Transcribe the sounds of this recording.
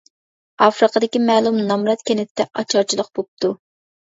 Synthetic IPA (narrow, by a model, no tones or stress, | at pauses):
ɑfɾəqʰəd̪ɪkʲimɛːlˠumnɑmɾɑt̪kʲʰenɪt̪t̪ːɛʔɑ̰t͡ʃʰɑɾt͡ʃʰilˠəq̚b̥op̪̚t̪ʰu